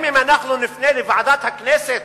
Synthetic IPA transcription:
mimanaxlunɪfneːlifɑʕɑd̪ˤɑːt̪hakːneːsɪt̪

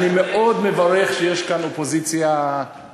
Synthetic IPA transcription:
nimeʔod̪mevaʁeχʃejeʃkanopozit͡sja

